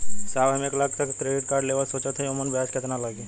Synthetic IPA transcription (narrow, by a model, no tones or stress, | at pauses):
saːbɦɐmeːklak̚t̪ɐkt̪ɾeːʋit̪kaːɾɖleːʋəsoːt͡ʃət̪ʰɐiʊmənbʱjaːskɪt̪nalaɡe